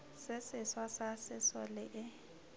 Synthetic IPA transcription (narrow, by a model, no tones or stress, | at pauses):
sɪsɪswasasɪsɔlɪʔɪ